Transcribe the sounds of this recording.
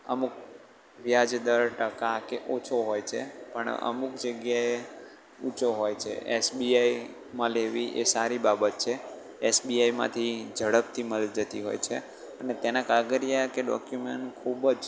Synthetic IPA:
əmuk̚ | ʋjad͡ʒd̪əɾʈəkakeʔot͡ʃʰoɦojt͡ʃʰḛpəɳə̰mukd͡ʒəɡjae | ut͡ʃʰoɦojt͡ʃʰḛʔḛsbiai | mãleʋiʔesaɾibabət̪̚t͡ʃʰe | esbiajmã̰t̪ʰid͡ʒəɽəp̚t̪ʰiməld͡ʒət̪iɦo̰jt͡ʃʰe | ənet̪enãkaɡəɾijakeɖɔ̰kjumeɳʈkʰubəd͡ʒ

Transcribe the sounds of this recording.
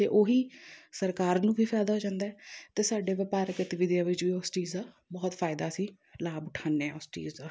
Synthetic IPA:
t̪eːʔoːɦiːsəɾkaːɾnũːbʱiːpʰɛːd̪aːɦoːd͡ʒãːnd̪aːɛːt̪eːsaːɖeːʋəpaːɾəkɪt̪ʋɪd̪jãːʋɪt͡ʃʋiːʊst͡ʃiːzd̪aː | bɔːt̪fʰaːɪd̪aːsĩː | laːbʊʈʰaːneɛːʊst͡ʃḭːzd̪aː

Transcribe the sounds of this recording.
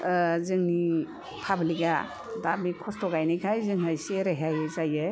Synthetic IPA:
zɯŋni | pʰabliɡa̰ | dabikʰɔstɔɡajnɯjkʰajzɯŋɦajseɾeɦajzajɯ

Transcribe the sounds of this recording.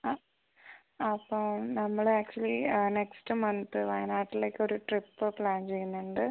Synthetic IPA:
aː | ɐpːoːnɐmːɐɭaːk̚t͡ɕuɐlineksʈɨmɐnt̪ɨʋɐjnaːʈːileːkːɨo̞ɾuʈripːɨpɭaːnt͡ɕejːunːuɳɖɨ

